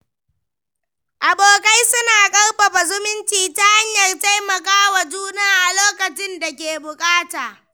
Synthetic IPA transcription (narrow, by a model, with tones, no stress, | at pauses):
ʔa˨boː˨ka˦jsʊ˦naː˨kʼɐ˦rɸɐ˨ɸa˨zʊ˦mɪ˦nt͡ʃiː˨ta˦ha˦ɲjɐ˨rta˦jmɐ˨kaː˦wa˨d͡ʒuː˦naː˦ʔa˨loː˦kɐ˨t͡ʃɪ˦nda˨k̬ʲeː˨bʊ˨kʼaː˦taː˨